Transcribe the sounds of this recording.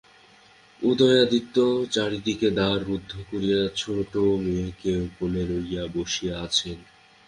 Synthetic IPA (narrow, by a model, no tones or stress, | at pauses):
ud̪ɔjad̪it̪ːot͡ɕaɾid̪iked̪aɾbud̪ʱːokoɾijat͡ɕʰoʈomeekeokoleɾoɾijaboʃijaat͡ɕʰen